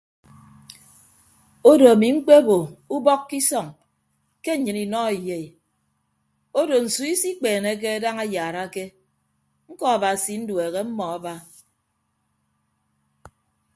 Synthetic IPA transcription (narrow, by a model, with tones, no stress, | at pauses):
o˦do˨a˨mi˨ŋ͡m̩˦k͡pe˦bo˨u˦bɔ˦kːi˦sɔ˨ŋ | ke˦˨ɲɨ˨ni˨nɔ˦˨i˨je˨i˨ | o˦do˨n̩˨su˨i˦si˦k͡peː˨ne˦k̬e˦a˦da˦ŋa˦jaː˨ɾa˦ke˦ | ŋ̩˦kɔ˦a˨ba˨si˨n̩˦dwe˨ɣe˦m̩˦mɔ˨a˦ba˦